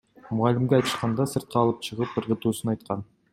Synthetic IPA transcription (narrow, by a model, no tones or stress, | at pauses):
mʊʁɑlɪmɡʲeɑjt̪ə̥ʃqɑnd̪ɑsəɾt̪̚qʰɑːlˠəp̚t͡ʃʰəʁəp̚əɾʁə̆t̪usənɑjt̪qɑn